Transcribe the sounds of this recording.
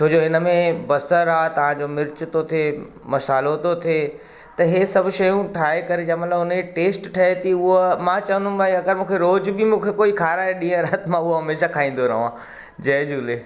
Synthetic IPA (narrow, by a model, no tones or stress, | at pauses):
t͡ʃʰoːd͡ʑoɦɪnəmẽbɐsəɾaːt̪ɐʋ̤ãd͡ʑomɪɾt͡ɕɪt̪ot̪ʰe | mɐsaːlot̪ot̪ʰeː | t̪ɐɦesɐbʱʊʃɐjũʈʰaːɦekɐɾed͡ʑamɐt̪ləbʊnʈeːsʈʈʰɐɦet̪ʰiʊɦomãt͡ɕɐʋə̃nd̪ũb̪aːkiɐɡəɾmũːkʰeɾoːd͡ʑbimũːkʰekoːikʰaːɾãːẽɗĩːɦə̃ɾat̪mãʊɦoɦɐmeːʃakʰaːĩːn̆d̪onɐɦõãː | d͡ʑɐːd͡ʑuːleː